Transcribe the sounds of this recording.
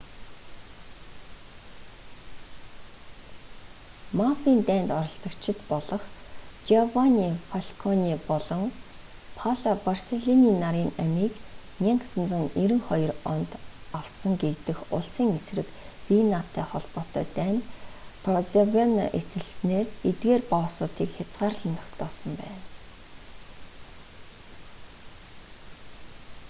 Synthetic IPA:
mafiːnt̪æːnt̪ɔɾɞ̆ɬt͡sə̆kt͡ɕʰɪ̆t̪pɔɮɞ̆χt͡ɕavaniːfaɮʲkʰɔniːpɔɮɞ̆ŋ | pʰaɮaparseɮiniːnaɾiːŋæmiːknʲiɴqsə̆nt͡sə̆ŋiɾɘ̆ŋχɔjɞ̆rɔnt̪awsə̆ŋɡet̪ɘ̆xʊɮsiːŋesrɘ̆k | pinat̪ʰːæːχɔɮpɔːt̪œ̰ːt̪æːnpʰrɔzevena̰ʔet̪ɘ̆ɮsneːret̪ɡeːrpɔːsʊːt̪iːkxʲat͡sʁaːrɮə̆nt̪ʰɔ̥kt̪ɔːsə̆mpæ̰ːn

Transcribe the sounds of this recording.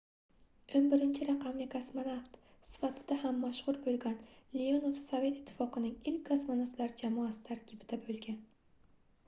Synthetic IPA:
onbɪɾɪnt͡ʃʰɪɾɑqʰɑmlɪkʰasmanaft̪sɪ̥fat̪ʰɪd̪̥ahamːaʃhʊɾbolˠɡʲanleonofsove̞t̪ɪ̥t̪ʰːɪ̥fɒqɨnɪŋɪlkʲkːʰasmanaft̪laɾd͡ʒamɒasɪ̥t̪ʰaɾkʲʰɪbɪd̪abolˠɡʲan

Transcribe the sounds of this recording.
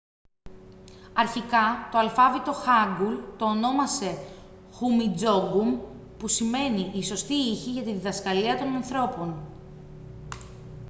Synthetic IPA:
ɐɾçikɐt̪o̞ɐlfɐvit̪o̞xɐɡult̪o̞ːno̞mɐse̞ | xumid͡zo̞ɡum | pusime̞niʔiso̞st̪iiçiʝɐt̪iðiðɐskɐliɐt̪o̞nɐnθɾo̞po̞n

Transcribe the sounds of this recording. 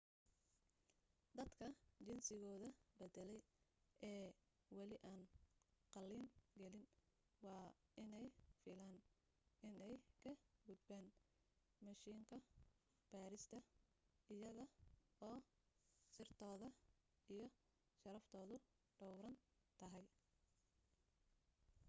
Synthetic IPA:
d̪ɐd̪kʰɐt͡ʃɪnsɪɣɔːðɐbɛd̪ɛlɛjɛː | wɑlɪʔaːnqɑlːiːnɡɛlɪn | wɑːɪnɛjfɪlaːn | ɪnɛjkʰɐɡʊd̪bɛːn | mɐʃiːŋkʰɐ | b̥aːɾɪst̪ʰɐ | ɪjɐɣɐɔː | sɪrt̪ʰɔːðɐ | ijɞ | ʃɐɾɐft̪ʰɔːðʊ | ɖɔwɾɐn | t̪ʰɐɦɛj

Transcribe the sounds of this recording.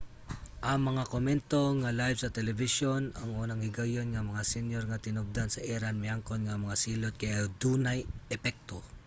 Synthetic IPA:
ʔɐŋmɐŋakomɛnt̪o̞ŋalajvsɐt̪ɛlɛvɪʃonɐŋʔuːnɐŋɪɡɐjonŋɐmɐŋasɛnjoɾŋat̪ɪnob̚d̪ansɐʔɛɾanmɪaŋkonŋamɐŋasiːlot̪̚kɐjad̪uːnajʔɛpɛk̚t̪o

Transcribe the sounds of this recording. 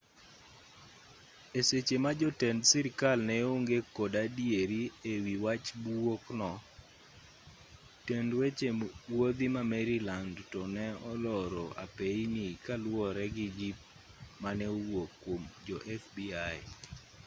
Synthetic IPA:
eset͡ʃemad͡ʒɔtɛndsiɾɪkalnɛoŋɡekodadjeɾiewiwat͡ʃbwoknɔ | tendwet͡ʃemwod̪imamɛɾilandtɔnɛɔlɔɾɔa̰peinikalwɔɾɛɡɪd͡ʒip̚ | manɛwokːwomd͡ʒɔʔɛfbiaj

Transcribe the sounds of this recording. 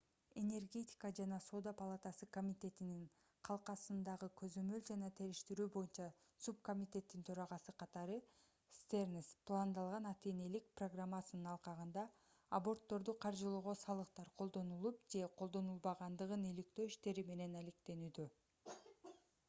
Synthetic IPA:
e̞ne̞rɡʲe̞tʲi̥kad͡ʒɑnɑso̞d̪apalˠat̪ɑsɯko̞mʲit̪ʲe̞t̪inin | qʰɑlˠqɑsɯnd̪ɑʁɯkʰøzø̞mø̞ld͡ʒɑnɑt̪ʰe̞ɾiʃt̪iɾyːbo̞junt͡ʃɑ | sup̚ko̞mʲit̪ʲe̞t̪ːint̪ʰøɾɑʁɑsɯqʰɑt̪ɑɾɯ | st̪ernʲisplˠand̪ɑlˠʁɑnɑt̪e̞ne̞lik̚proɡramːasɯnɯnɑlˠqɑʁɯnd̪ɑː | bo̞rt̪ːo̞ɾd̪uqʰɑɾd͡ʒɯlˠuːʁosɑlˠɯqt̪ɑɾqʰo̞lˠd̪o̞nulˠupd͡ʒe̞qʰo̞lˠd̪o̞nulˠbɑʁɑnd̪ɯʁɯnelik̚t̪ø̞ːiʃt̪e̞ɾime̞ne̞nalekt̪e̞nyːd̪ø

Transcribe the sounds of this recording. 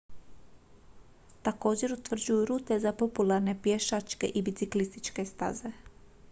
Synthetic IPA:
t̪ako̞ːd͡ʑe̞ɾut̪ʋr̩d͡ʑujuɾuːt̪e̞zapo̞pulaɾne̞pjeʃat͡ʃke̞̰ʔibit̪siklist̪it͡ʃke̞st̪a̰ze̞

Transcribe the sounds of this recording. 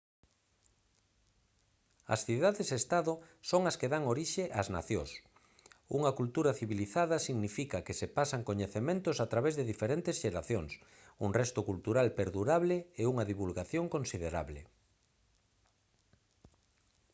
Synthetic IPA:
ɐ̰sθiðaðezest̪aðʊsoŋɐskeðaŋoɾiʃeʔazna̰θjo̰s | uŋɐkult̪uɾɐθiβiliθaðɐsiɣnifikakesepasaŋkoɲeθemẽnt̪osat̪ɾaβezðeðifeɾent̪esʃeɾaθjoŋs | uŋrɛst̪ʊkult̪uɾalpeɾðuɾaβleeuŋɐðiβulɣaθjoŋkonsiðeɾa̰βle

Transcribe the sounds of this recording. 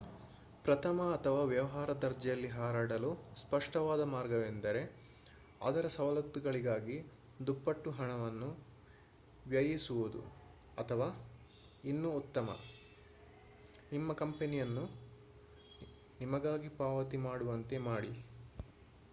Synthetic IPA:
pɾɐt̪ʰɐmɐːt̪ʰɐʋaːʋjɐʋɐɦaːɾɐd̪ɐɾd͡ʒɛjɐlːiɦaːɾaːɽɐluspɐʂʈɐʋaːd̪ɐmaːɾɡɐʋend̪ɐɾe̞ | a̰ːd̪ɐɾɐsɐʋɐlɐt̪ːuɡɐɭiɡaːɡi | d̪upːɐʈːuɦɐɳɐʋɐnːu | ʋjɐjisuʋud̪ṵ | ɐt̪ʰɐʋaː | inːuːt̪ːɐmɐ̰ | nimːɐkɐmpenijɐnːu | nimɐɡaːɡipaːʋɐt̪imaːɽuʋɐnt̪e̞maːɽi

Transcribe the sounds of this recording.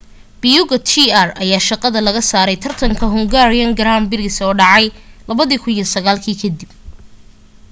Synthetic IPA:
b̥ɪjʊɣɐt̪ʰiarɐjaːʃɑqɑðɐlɐɣɐsaːɾɛjt̪ʰɐrt̪ʰɐŋkʰɐɦʊŋɡaːɾɪjɐŋɡɐɾaːmbɪlɪsɔːɖɑʕɑjlɐβɐðiːkʰʊnjɔsɐɣaːlkʰiːkʰɐd̪ib̚

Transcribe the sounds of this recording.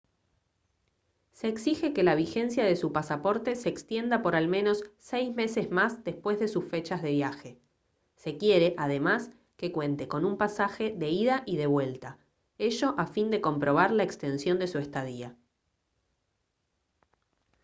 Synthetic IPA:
seːksixe̞ke̞laβ̞ixe̞nsjaðe̞supasapo̞ɾt̪e̞seːkst̪je̞nd̪apo̞ɾalmẽ̞no̞sːejsme̞se̞zmazd̪e̞spwe̞zðe̞susfe̞t͡ʃazð̞e̞β̞jaxe̞ | se̞kje̞ɾe̞ʔaðe̞mas | ke̞kwe̞nt̪e̞ko̞numpasaxe̞ðe̞iðaʔiðe̞βwe̞lt̪a | e̞ʒo̞ʔafind̪e̞ko̞mpɾo̞β̞aɾlaekst̪e̞nsjo̞nd̪e̞suest̪að̞ia

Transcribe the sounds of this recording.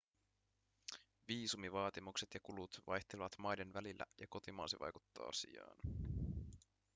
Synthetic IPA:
ʋiːsumiʋɑːt̪imukse̞t̪jɑkulut̪ʋɑjht̪eleʋɑt̪mɑjde̞nʋælilːæ̰jɑko̞t̪imɑ̰ːsḭʋɑ̰jkut̪ːɑ̰ːɑsḭɑ̰ːn

